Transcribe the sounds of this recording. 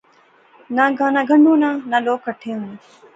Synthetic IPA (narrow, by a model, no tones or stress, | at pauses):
naɡanaɡʱɐɳɖuːnaːnaloːkɐʈʰːeːʋɐne